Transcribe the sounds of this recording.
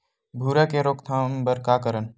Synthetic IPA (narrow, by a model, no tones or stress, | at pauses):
bʱuːɾɛkeɾoːkt̪ʰãːmbəɾkaːkəɾən